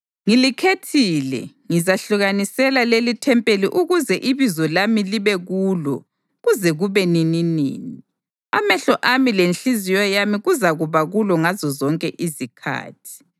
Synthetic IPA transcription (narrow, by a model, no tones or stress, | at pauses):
ŋilikʰetʰiːlɛ̰ | ŋizaɬuɣanisɛlalelitʰɛmpʼeliʔuɣuzɛʔiβizɔlamiliβɛɣuːlɔ̰ | ɣuzɛɣuβɛnininḭːni | a̰mɛɬɔʔamilenɬizijɔjamiɣuzaɣuβaɣulɔŋazɔzɔŋkʼɛʔizikʰa̰ːtʰi̥